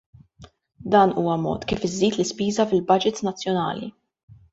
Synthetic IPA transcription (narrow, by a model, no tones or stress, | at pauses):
d̪ɐːnuːwɐmɔ̰ːt̪kiːfɪzːiːt̪lɪspiːzɐfɪlbɐd͡ʒɪt̪nɐt͡sːjɔnɐ̰ːlḭ